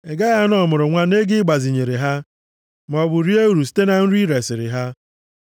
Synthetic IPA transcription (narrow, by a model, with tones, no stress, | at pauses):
e˨ɡa˦ɣa˦n˦ɔ˦˨mʊ˨ɾʊ˨ŋʷa˦ne˦ɡɪ˦ɡ͡ba˨zi˨ɲe˨ɾe˨ɦa˦ | m˨ɔ˨bʊ˨ɾi˦e˦u˨ɾu˨s̬i̥˦te˦na˨n̩˦ɾi˦ɾe˨sɪ˨ɾɪ̰˨ɦa˦